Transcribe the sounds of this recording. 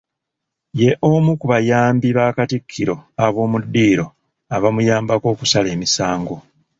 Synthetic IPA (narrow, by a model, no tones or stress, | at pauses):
je̞ʔo̞mukuβajaːmbiβakatikʰːiɾo̞aβo̞ːmudːiːɾo̞ | aβamujaːmbako̞ːkusale̞ːmisaːŋɡo̞